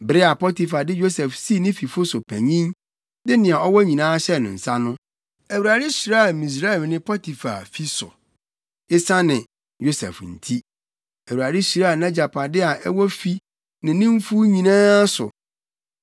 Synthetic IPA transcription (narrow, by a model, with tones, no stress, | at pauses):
bɾɪ˦a˨pɔ˦ti˨fa˨dɪ˦jo˦sɛ˨fsi˦˨˦nɪ̃˦fi˨fʊ˦sʊ˨pʰæ̰˨ɲĩ˦ŋ | dɪ˦nɪ̃˨a˨ɔ˦wɔ˦ɲĩ˨nãː˦ɕɛ˦˨nɪ̰̃˨n̩˨sa˦nʊ̃˦ | æ˨wu˨ɾa˨dɪ˦ɕi˨ɾa˦˨mĩ˨s̬ɾa˦ɛ˨lnɪ̃˦pʰɔ˦tʰi˨fa̰˨fi˦sʊ̰˨ | ɪ˦sa˦nɪ̃˨ | jo˦sɛ̰˨fn̩˨tʰi˦ | æ˨wu˨ɾa˨dɪ˦ɕi˨ɾa˦a˨nɛ̃˦d͡ʑa˨pʰa˨dɪ˦a˨ʔɛ˦wɔ˦fi˦ | nɪ̃˨nɪ̃˦m̩˦fu˦ɲĩ˨nãː˦sʊ̰˨